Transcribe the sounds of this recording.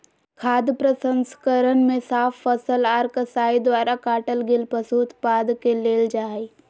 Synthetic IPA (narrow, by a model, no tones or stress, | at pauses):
kʰaːd̪pɾəsə̃nskəɾənmẽsaːfːəsəlaːɾkəsaːid̪waːɾakaːʈəlɡɪlpəsuːt̪paːd̪keleːld͡ʒaːi